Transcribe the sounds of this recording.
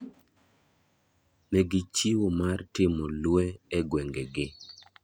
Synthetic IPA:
meɡɪt͡ʃiwomartɪmɔlweɛɡwɛŋɡeɡɪ

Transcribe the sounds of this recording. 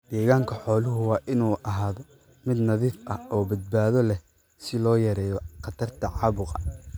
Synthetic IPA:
d̪̥ɛːɣaːŋkʰɐħɔːlʊɦʊwɑːʔɪnuːʔɐɦaːðɔ | mɪd̪nɐðiːfɐɔːbɐd̪̚baːðɔlɛ | sɪlɔːjɐɾɛːjɔqɑt̪ʰɐrt̪ʰɐʕɑːβʊqɐ̰

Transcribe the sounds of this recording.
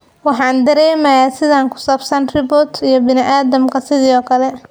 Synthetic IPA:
wɑħɑːnd̪ɐɾɛːmɐjaːsɪðaːŋkʰʊ̥saːbsɐnrɪbɔːt̪ʰijɔbɪnɪʔaːðɐmkʰɐsɪðiːɔːkʰɐlɛ

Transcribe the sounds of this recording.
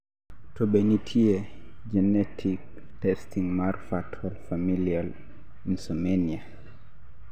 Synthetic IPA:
tɔɓɛnitʰiɛ | d͡ʒɛnetʰik̚ | tɛstiŋmaɾfatʰɔlfamilial | insɔmenia

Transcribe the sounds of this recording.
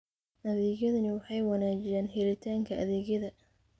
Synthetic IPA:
ʔɐðɛːɣjɐðɐnɪwɑħɑjwɑnaːt͡ʃɪjɛːnɦɛlɪt̪ʰaːŋkʰɐʔɐ̰ðɛːɣjɐðɐ

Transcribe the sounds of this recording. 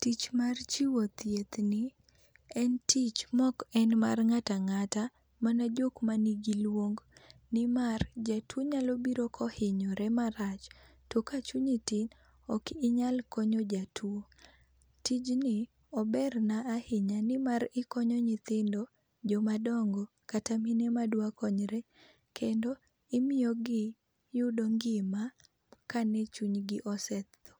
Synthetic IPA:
tit͡ʃmart͡ʃiwɔt̪jet̪nɪ | ɛntit͡ʃmɔkɛnma̰rŋataŋata | manad͡ʒokmaniɡilwoŋɡnɪmard͡ʒatʰwoɲalobiɾokʰɔhɪɲɔɾɛmaɾat͡ʃ | tokat͡ʃuɲɪtɪn | ɔkɪɲalkɔɲod͡ʒatʰwo | tid͡ʒnɪ | ɔbɛrnaːhɪɲanɪmaɾɪkɔɲɔɲɪt̪ɪndɔ | d͡ʒɔmadɔŋɡɔ | kataminɛmadwakɔɲɾɛ | kʰendɔ | ɪmɪjoɡɪ | jʊdoŋɡɪma | kanɛt͡ʃuɲɡɪʔɔsɛt̪ːɔ̥

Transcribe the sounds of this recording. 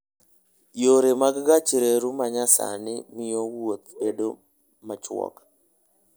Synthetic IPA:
joɾemaɡɡat͡ʃɾeɾumaɲasa̰nɪmɪjɔwot̪̚bedo | mat͡ʃwɔ̰k

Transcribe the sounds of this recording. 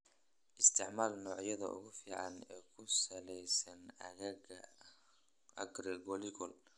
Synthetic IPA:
ʔɪst̪ʰɪʕmaːlnɔːʕjɐðɐ̰ʔʊ̰ɣʊfiːʕɑnɛːkʰʊsɐlɛjsɐnɐ̰ɣ | ʔɐ̰ɡrɛɡɔlɪɡɔl

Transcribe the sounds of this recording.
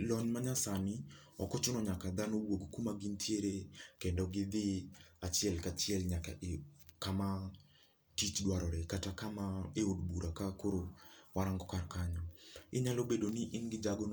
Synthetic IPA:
lɔɲmaɲasanɪɔkɔt͡ʃʊnɔɲakad̪anowoɡkumaɡintʰjeɾekɛndɔɡɪd̪ɪat͡ʃɛlkat͡ʃiɛlɲaka̰ʔkama | tit͡ʃdwaɾɔɾɛkatakamaeodbuɾakakoɾowaɾaŋɡɔkarkaɲɔɪ̰ɲalobedoniʔɪnɡɪd͡ʒaɡɔn

